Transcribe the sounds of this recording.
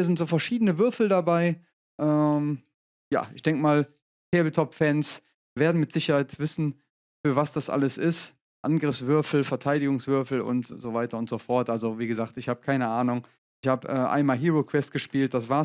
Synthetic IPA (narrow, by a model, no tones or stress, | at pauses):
iɐzɪntz̥oːfɛɐʃiːdənəvʏɐfl̩dabaɪ | ʔɛːm | ja̰ːʔɪçd̥ɛŋkəmaːl | kʰɛːbl̩tʰɔpfɛns | veːɐdn̩mɪtz̥ɪçɐhaɪtv̥ɪsn̩ | fyːɐvasd̥asʔa̰ləsɪst | ʔa̰nɡʁɪfsv̥ʏɐfl̩fɛɐtʰaɪdɪɡʊŋsv̥ʏɐfl̩ʊ̰ntz̥ovaɪtɐʊntz̥ofɔɐtʔalzoviːɡəzaːk̚tɪçhaːbə̥kʰaɪnəʔaːnʊŋ | ʔɪçhaːbəʔɛːʔa̰ɪnmaːlɦiːʁokʰv̥ɛst̚ɡ̥əʃpiːlt̚d̥asv̥aːɐ